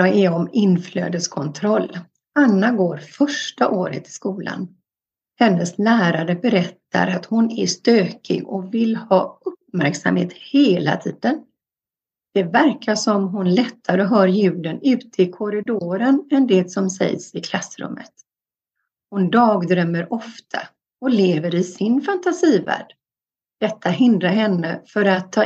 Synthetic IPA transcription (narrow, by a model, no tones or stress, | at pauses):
ɑɛɔmɪnːflø̰ːd̪əskʰɔnt̪ʰɾɔlː | anːaɡoːɾfœʂʈaʔoːɾə̰t̪ʰːɪ̥skuːla̰n | hɛnːəslæːɾaɾəbɛɾɛt̪ːa̰ɾat̪hʊnæʂt̪øːkʰɪ̰ɡɔvɪlhɑːɵp̚mæɾksa̰mhḛːt̪heːla̰t̪ʰiːd̪ən | d̪̥ɛvæɾkʰaʂɔmɦʊnlɛt̪ʰːaɾəɔɦœːɾjʉ̟ːd̪ənʉ̟ːt̪ʰəɪkʰɔɾɪd̪oːɾənɛnd̪ɛsɔmsɛ̰jsɪkʰlasːɾɵ̰mːə̰t̪ | hʊnd̪ɑːɡd̪ɾœmːəɾʔɔft̪ʰa̰ | ɔleːvəɾɪsɪnfant̪asiːvæ̰ːɖ̥ | d̪̥ɛt̪ʰːaɦɪnd̪ɾaɾɦɛnːəfœɾat̪ʰːɑː